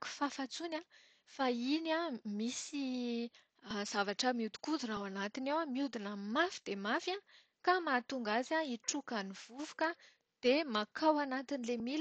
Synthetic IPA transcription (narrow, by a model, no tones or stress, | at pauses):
ku̥fafat͡suna | fainamisi | z̥avaʈ͡ʂəmiud̪u̥kud̪unawanat̪inewamiud̪inəmafi̥d̪̥emafa | kamat̪uŋɡazaiʈ͡ʂukaniv̥uvu̥kə | d̪̥emakʰawanat̪inilemil